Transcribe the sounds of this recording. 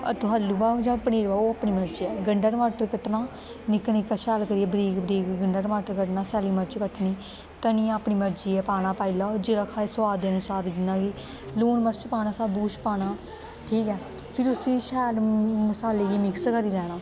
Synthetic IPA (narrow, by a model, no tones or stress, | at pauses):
ə̰t̪ʊɦalːuːbaːd͡ʒãːpəneːɾʋaːoːapɳiːməɾd͡ʒiːɛːɡəɳɖaːʈmaːʈəɾkəʈnaː | nɪkənikːaʃɛːlkəɾiːɛːbɾiːɡbɾiːɡɡəɳɖəːɽmaːʈəɾkəʈnaːsɛːliːməɾt͡ʃkəʈʰniː | t̪ənĩːãːpɳiːməɾd͡ʒiːɛːpaːɽ̃aːpaːilaːd͡ʒeɾakʰaːesʋaːd̪eːənʊsaːɾʋɪd͡ʒnãːɡiː | luːnməɾt͡ʃpaːñaːsaːbuːt͡ʃpaːnaː | ʈʰiːkɛː | pʰɪɾʊsĩːʃɛːlməsaːleːɡiːmɪkskəɾiːɾɛːɽ̃aː